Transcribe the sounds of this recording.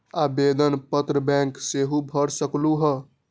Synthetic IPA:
abed̪ənpət̪ɾəbɛ̃ŋkseɦubʱəɾsəkluɦə

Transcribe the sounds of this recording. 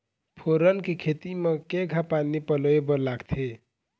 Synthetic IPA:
pʰoɾʌnkekʰet̪imʌkeɡʱapanipʌloebʌlaɡt̪ʰe

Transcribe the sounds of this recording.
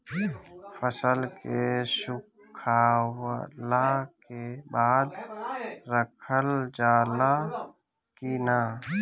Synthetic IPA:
fʰəsəlkesʊ | kʰaːwlakebaːd̪ | ɾəkʰəld͡ʒaːla | kina

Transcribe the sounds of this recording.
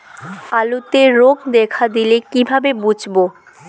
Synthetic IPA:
alut̪eɾoɡd̪ɛkʰad̪ilekibʱabebud͡ʑʱbo

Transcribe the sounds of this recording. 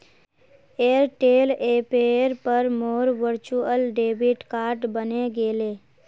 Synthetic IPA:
eːɾʈeːleːpeɾpəɾmoːɾʋəɾt͡ʃuəlɖeːbʱɪʈkaːɾʈbəneɡeːleː

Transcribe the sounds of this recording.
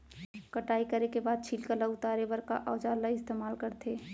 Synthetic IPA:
kəʈaːikəɾekebaːd̪̚t͡ʃʰiːlkəlaʊt̪aːɾebəɾka̰ʔɔːd͡ʒaːlaɪst̪eːmaːlkəɾt̪ʰeː

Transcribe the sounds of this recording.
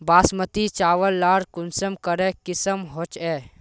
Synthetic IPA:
baːsmət̪it͡ʃaːʋəlːaːɾkʊnsəmkəɾẽkɪsəmɦot͡ʃɛː

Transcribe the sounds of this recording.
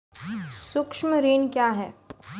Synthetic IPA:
sʊkʃməɾeːnkjaːɦɛː

